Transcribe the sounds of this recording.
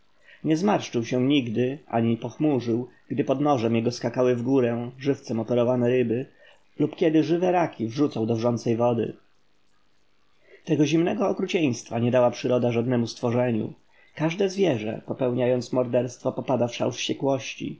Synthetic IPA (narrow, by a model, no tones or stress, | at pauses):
ɲɛzmaɾʂt͡ʂɘwɕɛɲiɡd̪ɘa̰ɲipɔxmuʐɘwɡ̥d̪ɘpɔd̪nɔʐɛmjɛɡɔskakawɘvɡuɾɛ̃ʐɘft̪sɛmɔpɛɾɔvanɛɾɘbɘ | lupkʲjɛd̪ɘʐɘvɛɾakʲivʐut̪sawd̪ɔvʐɔnt̪sɛjvɔd̪ɘ̰ | t̪ɛɡɔʑimnɛɡɔːkɾut͡ɕej̃st̪faɲɛd̪awapʂɘɾɔd̪aʐad̪nɛmust̪fɔʐɛɲṵ | kaʐd̪ɛzvʲjɛʐɛ̰pɔpɛwɲajɔnt̪smɔɾd̪ɛɾst̪fɔpɔpad̪afʂa̰wʂɕt͡ɕɛkwɔɕt͡ɕḭ